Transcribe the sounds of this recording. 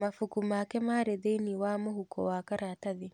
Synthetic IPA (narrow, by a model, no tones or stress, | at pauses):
mafukumaːkemaːɾedejniwaːmoɦukɔ̰waːkaɾaːtaði